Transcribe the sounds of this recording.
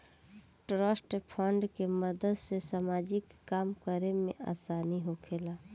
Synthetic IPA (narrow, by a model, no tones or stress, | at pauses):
ʈɾəsʈpʰəɳɖkeməd̪əd̪sesamad͡ʒikːamkəɾemḛ̃ʔa̰saniɦokʰela